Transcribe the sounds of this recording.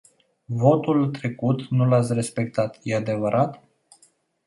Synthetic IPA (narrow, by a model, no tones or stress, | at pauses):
vo̞t̪ult̪ɾe̞kut̪nulat̪sʲre̞spe̞k̚t̪at̪jead̪e̞vəɾʔat̪